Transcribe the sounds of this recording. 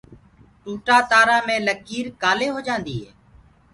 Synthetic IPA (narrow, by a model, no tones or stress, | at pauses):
ʈuːʈaːt̪aːɾaːmẽːləkiːɾkaːleːɦoːd͡ʒãːnd̪iːɦeː